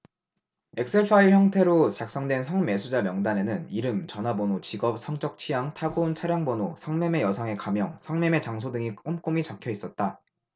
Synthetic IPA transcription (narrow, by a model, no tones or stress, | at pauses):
e̞k̚s͈epʰaiçjʌŋtʰe̞ɾot͡ɕak̚s͈ʌŋdwe̞nsʰʌŋme̞sʰud͡ʑamjʌŋdane̞nɯniɾɯmt͡ɕʌnabonot͡ɕiɡʌp̚sʰʌŋt͡ɕ͈ʌk̚t͡ɕʰijaŋtʰaɡont͡ɕʰaɾjaŋbonosʰʌŋme̞me̞jʌsʰaŋe̞kamjʌŋsʰʌŋmeme̞t͡ɕaŋsʰodɯŋikomk͈omit͡ɕakʰjʌis͈ʌt̚t͈a